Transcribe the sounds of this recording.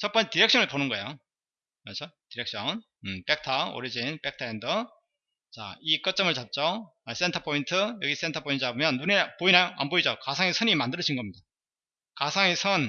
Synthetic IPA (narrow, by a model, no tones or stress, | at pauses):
t͡ɕʌt̚p͈ʌnt͡ɕʰetiɾe̞k̚ɕ͈ʌnɯɭponɯnɡʌejo | mat͡ɕʰotiɾek̚ɕ͈ʰʌn | ɯp͈e̞k̚tʰao̰ɾid͡ʑinp͈ek̚tʰaendʌ | t͡ɕa̰ik͈ʌt̚t͡ɕ͈ʌmɯɭt͡ɕap̚t͡ɕ͈o | ʌs͈entʰapʰointʰɯjʌɡis͈e̞ntʰapʰointʰɯt͡ɕabɯmjʌnːunepoinajoʔa̰mboid͡ʑokasʰaŋesʰʌnimandɯɾɯʌd͡ʑʰinɡʌmɲida | kasʰaŋesʰʌn